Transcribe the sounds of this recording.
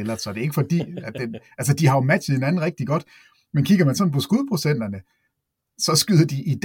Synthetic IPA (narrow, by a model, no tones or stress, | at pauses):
elɐ̥sɒ̽d̥e̝e̝ɡ̥fɒ̽d̥ḭːæd̥enʔæls̬əd̥ihɑ̈jo̝mæ̥ɕð̩ˠhe̝næn̩ʁɛɡ̥̚d̥iɡ̥ɒ̽d̥ | menkʰiɡ̥ɐmænsɒ̽npʰɒ̽sɡ̥uðˠpʰʁo̝sen̰d̥ɐnə | sɒ̽sɡ̥yð̰ˠɐd̥iʔid̥